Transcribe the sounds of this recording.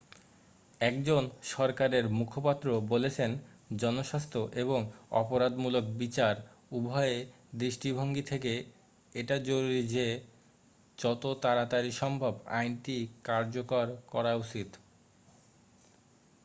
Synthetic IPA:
ɛkd͡ʑonʃɔɾkaɾeɾmukʰopat̪ːɾobolet͡ɕʰen | d͡ʑɔnoʃast̪ʰoʔeβoŋɔ̰poɾad̪mulok̚bit͡ɕaɾ | ubʱɔe | d̪ɾiʃʈibʱoŋɡit̪ʰek̬e | eʈad͡ʑoɾuɾid͡ʑe | t͡ɕɔt̪ot̪aɾat̪aɾiʃɔmbʱoba̰jnʈikaɾd͡ʑokoɾkɔɾaut͡ɕit̪

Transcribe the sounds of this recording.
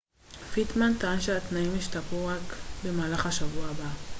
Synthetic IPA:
fit̪mant̪aanʃeat̪naimjiʃtapuʁakbe̞maːlaχaʃavuaaba

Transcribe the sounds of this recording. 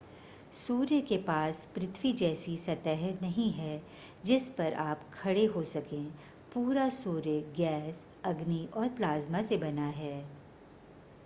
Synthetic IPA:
suːɾjəkepaːspɾɪt̪ʰwid͡ʒɛːsisɐt̪ɛɦnɐɦĩɦɛː | d͡ʒɪspɐɾaːpkʰɐɽeɦosɐkẽː | puːɾasuːɾjəɡɛːs | ɐɡniʔɔːɾplaːzmasebɐnaɦɛː

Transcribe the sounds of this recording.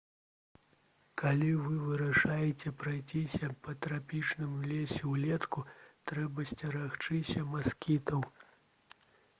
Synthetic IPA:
kʰalʲivɨvɨɾɐʂajɛt͡sʲɛpɾajt͡sʲisʲɐpɐt̪ɾapʲit͡ʂnɨmlʲesʲɛwlʲɛt̪kut̪ɾɛbɐsʲt͡sʲɐɾaxt͡ʂɨsʲɐmaskʲit̪ɐw

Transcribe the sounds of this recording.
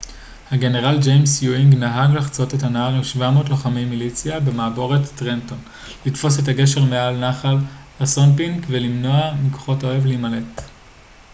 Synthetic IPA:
haɡe̞ne̞ʁald͡ʒejmsjuiŋɡnaɦaɡlaχt͡so̞tetanaaʁemʃvamo̞ːtlo̞χamejmilit͡sijabe̞maːbo̞ʁetːʁento̞n | litfo̞s̬e̞thaɡe̞ʃe̞ʁmealnaχalhasonpiŋkvelimno̞amiko̥χo̞to̞e̞vleimale̞t

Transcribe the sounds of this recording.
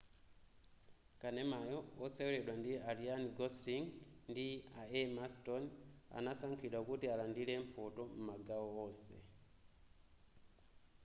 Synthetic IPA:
kanemajoːsewuledwandialianiɡosliŋndiaemastonia̰nasaŋkʰidwakutialandilempʰotomumaɡaoosḛ

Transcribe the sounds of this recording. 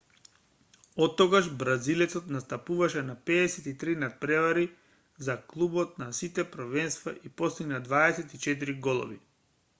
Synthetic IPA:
ɔt̪ːɔɡaʒbɾazilɛt̪sɔt̪nast̪apuvaʃɛnapɛɛsɛt̪it̪ɾinat̪̚pɾɛvaɾi | zaklˠubɔt̪̚nasit̪ɛpɾvɛnst̪vaʔipɔst̪iɡnad̪vaɛsɛt̪it͡ʃɛt̪̬iɾiɡɔlˠɔ̰vḭ

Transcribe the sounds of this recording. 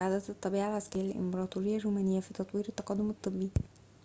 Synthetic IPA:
ʕaːd̪æt̪ɨt̪ˤːɑbiːʕalʕaskæɾjalʔɪ̰mbɑɾˤɑːt̪ˤuɾɪjːæʒumænɪjːæfiːt̪ɑt̪ˤwiːɾet̪ːɑqɑd̪ːomet̪ˤːɨbːi

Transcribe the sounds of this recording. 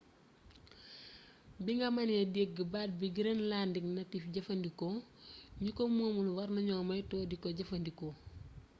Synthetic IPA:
biŋɡɐmɐnedeːɡ̚ɡəbaːd̚biɡiɾenlaːndiknɐtifɟɐfɐndikoɲukomuːmulwɐɾnɐɲɔːmɐjtɔːdikɔɟɐfɐndiko

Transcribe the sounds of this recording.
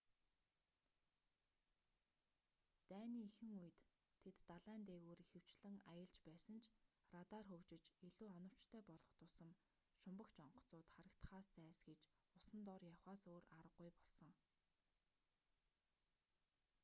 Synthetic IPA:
t̪æːniːixɘ̆ŋuj̆t̪ʰː | et̪ːaɮæːnt̪eːɣuːrixɘ̆w̥t͡ɕɮɘ̆ŋajə̆ɮt͡ɕpæːsə̆nt͡ɕʰrat̪aːrxɵwt͡ɕɪ̆t͡ɕiɮuːɔnɞ̆w̥t͡ɕt̪ʰœːpɔɮʁɞ̆χt̪ʊsə̆m | ʃʊmpə̆kt͡ɕɔɴɢɞ̥̆t͡sʊːt̪χaɾə̆kt̪χaːst͡sæːsɡet͡ɕʊsə̆nt̪ɔrjawχaːsoːraɾə̆ɢːujpɔɮsɞ̆ŋ

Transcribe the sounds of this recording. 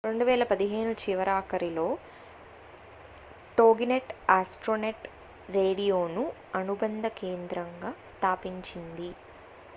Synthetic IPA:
ɾe̞ɳɖuʋɛːlɐpɐd̪iɦe̞ːnut͡ʃiʋɐɾaːkɐɾilo̞ː | ʈo̞ːɡineʈaːsʈɾoːneʈ | ɾe̞ːɽijo̞ːnu | ɐnubɐnd̪ʱɐkeːnd̪ɾɐŋɡaːst̪ʰaːpiɲt͡ʃind̪i

